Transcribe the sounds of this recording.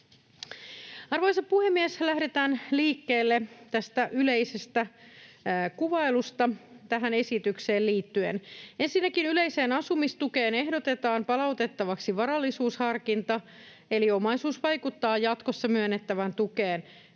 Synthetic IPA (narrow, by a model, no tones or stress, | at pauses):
ɑrʋojsɑpuhemːieslæhde̞t̪æːnliːkːe̞ːlːet̪æst̪æʔyle̞ise̞st̪æ | kuʋɑjlust̪ɑt̪æɦæne̞sit̪ykse̞ːlliːt̪ːyḛne̞nsinːækinyle̞ise̞ːnɑsumist̪uke̞ːne̞ɦdo̞t̪e̞t̪ɑːmpɑlɑwt̪e̞t̪ːɑʋɑksiʋɑɾɑlːisuːshɑrkint̪ɑ | e̞lio̞mɑjsuːsʋɑjkut̪ːɑːjɑt̪ko̞sːɑmyønːet̪ːæʋænt̪ukeːn